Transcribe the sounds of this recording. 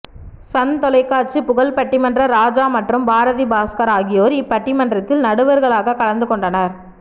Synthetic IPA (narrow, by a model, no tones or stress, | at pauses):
sɐnt̪ɔlɐɪkːaːɾt͡ʃipʊɣɐɭpɐʈːɪmɐndrɐɾaːd͡ʒaːmɐʈrɯmbaːɾɐðibaːskɐɾaːɣɪjoːɾɪpːɐʈːɪmɐndrɐt̪ːɪlnɐɽɯʋɐɾɣɐɭaːɣɐkɐɻɐnd̪ɯkɔɳɖɐnɐɾ